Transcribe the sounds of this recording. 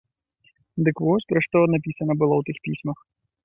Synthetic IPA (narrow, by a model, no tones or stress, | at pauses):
d̪ɪkʋɔsʲpɾɔʂt̪ɔnɐpʲisɐnɐbɨlˠɔwt̪ɪxpʲisʲmɐx